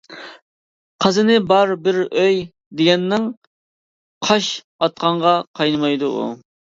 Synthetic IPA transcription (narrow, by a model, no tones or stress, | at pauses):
qʰəzɨnɪbɑɾbɪɾøj | d̪eɡʲɛnːɪŋ | qʰɑʃ | ɑt̪̚qʰɑɴʁɑqʰɑjnɨmɑjd̪uṵ